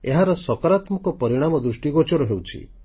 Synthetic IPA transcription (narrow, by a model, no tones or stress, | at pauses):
eɦaɾɔsɔkɔɾat̪mɔkɔpɔɾiɽ̃amɔd̪ɾusʈiɡot͡ʃɔɾɔɦewt͡ʃʰḭ